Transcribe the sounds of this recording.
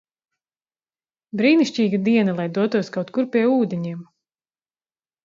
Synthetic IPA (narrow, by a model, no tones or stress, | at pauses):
bɾiːniʃʲt͡ʃiːɡad̪iɛnalˠajd̪uɔt̪uɔskawt̪kuɾpʲiɛuːd̪ʲeɲiɛm